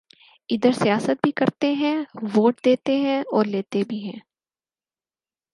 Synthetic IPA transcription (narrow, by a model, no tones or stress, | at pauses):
ɪd̪əɾsijaːsət̪̚bʱikɐɾt̪eɦɛ̃ʋoːʈ̚d̪eːt̪eɦɛ̃ɔːɾleːt̪ebʱiɦɛ̃ː